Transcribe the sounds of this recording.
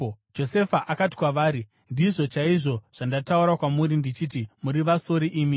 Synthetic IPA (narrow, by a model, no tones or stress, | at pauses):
d͡ʒo̞se̞faʔakati̥kwaʋaːɾi | ndiʐo̞t͡ʃaiʐo̞ʐ̥andatauɾakwamuɾindit͡ʃiːt̬imuɾiʋaso̞ɾiʔiːmi